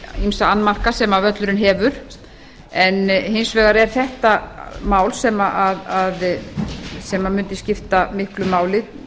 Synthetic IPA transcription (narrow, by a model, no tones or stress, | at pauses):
imsaanːmar̥kasɛmavœt̪lʏɾɪnɦɛːvʏɾ̥ | ɛnhɪnsvɛːɣaɾɛɾ̥θɛht̪amaːwlsɛmaʔaðað | sɛmamʏnt̪ɪscɪft̪amɪhklʏmaːwlɪ